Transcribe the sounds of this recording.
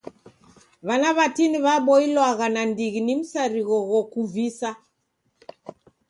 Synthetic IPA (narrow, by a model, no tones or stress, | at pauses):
βanaβatiniβaɓɔilwaɣanandiɣinim̩saɾiɣɔɣɔkuvisa